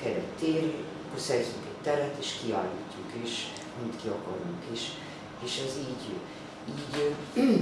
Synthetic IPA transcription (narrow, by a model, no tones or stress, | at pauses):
kɛɾɛ̰t̪ːeːɾ | kosɛrzyŋkɛɟ̚t̪ɛɾɛt̪eːʃkiɒ̰liːcːukiʃ | ɒmmit̪kiokoɾuŋkiʃ | eːʃɛziːɟ | iːɟ